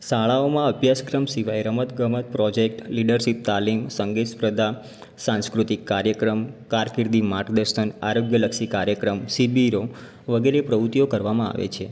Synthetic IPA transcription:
ʃaɭaomãəbʱjaskɾəmsiʋajɾəmət̪ɡəmət̪̚pɾɔd͡ʒek̚ʈliɖəɾʃip̚t̪alimsəŋɡespɾəd̪a | sãnskɾut̪ikːaɾjəkɾəmkaɾkiɾd̪imaʈd̪əɾʃəna̰ɾoɡjələkʃikaɾjəkɾəmsibiɾo | ʋəɡeɾepɾəʋut̪ijokəɾʋamãa̰ʋḛt͡ʃʰe

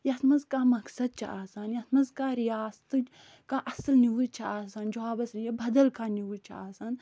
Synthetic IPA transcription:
jɐt̪mɐzkaːmɐksɐd̪̚t͡ʃʰa̰aːsaːnjɐt̪ʰmɐzkaːɾijaːst̪ɨ | kaːʔɐslniwut͡ʃʰaaːsaːnd͡ʒaːbɐsnijɐbɐd̪ɐlkaːniwut͡ʃʰaaːsaːn

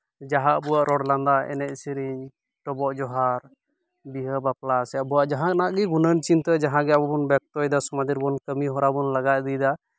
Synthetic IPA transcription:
d͡ʒaɦaʔbuaʔɾɔɽland̪aɛ̰nɛʔ̚siɾiɲ | ʈɔbɔʔd͡ʒɔɦaɾ | biɦəbaplasɛjaʔbuwaʔd͡ʒaɦãnaʔɡiɡunənt͡ʃint̪ɛd͡ʒaɦãɡɛabɔbɔnbɛk̚t̪ɔjd̪asɔmad̪iɾbɔnkəmiɦɔɾabunlaɡaʔ̪̚d̪id̪a

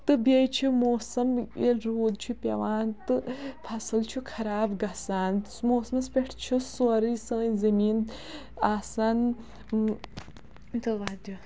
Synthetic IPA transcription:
t̪ɨbejt͡ʃʰimoːsɐmelɾoːd̪̚t͡ʃʰupʲɐ̰ʋaːnt̪ɨpʰɐsɨlt͡ʃʰukʰɐɾaːbɡɐsaːn | moːsmɐspʲeʈʰt͡ʃʰusoɐɾisə̃ːzɐmiːn | aːsɐn | t̪ɨʋad̪u

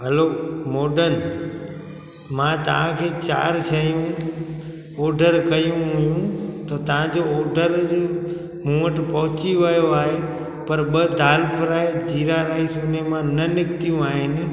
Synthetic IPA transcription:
ɦəlomoɖən | mãt̪əãkʰet͡ʃa̰ɾt͡ʃʰəjũ | ɔɖʱəɾkəjũɦujũt̪ot̪ãd͡ʒoɔɖəɾ | mũəʈpəɦʊ̃t͡ʃiʋəjoaɦe | pəɾbəd̪ʱaːlpʰəɾaed͡ʒiɾaɾaisunemãnənɪkt̪ijũaːene

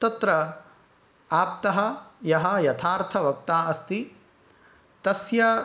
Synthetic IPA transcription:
t̪ɐt̪ɾɐ | aːp̚t̪ɐɦɐjɐɦɐjɐt̪ʰaːɾt̪ʰɐʋɐk̚t̪aːɐst̪i | t̪ɐsjɐ

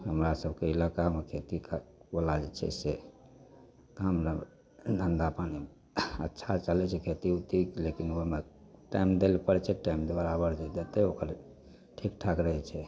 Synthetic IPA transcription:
ɦəmɾasəbʱkeilakamekʰet̪ikabəlad͡ʒɛt͡ʃʰɛ̰se | t̪ɦəmɾa | nənd̪apani | ə̰tːʃʰat͡ʃalɛt͡ʃʰɛkʰet̪iut̪ilekinomeʈaimd̪elpəɾt͡ʃʰɛʈaimd̪ebəɾabəɾd͡ʒɛd̪et̪ɛokəɾ | ʈʰik̚ʈʰakɾəɦɛt͡ʃʰɛ

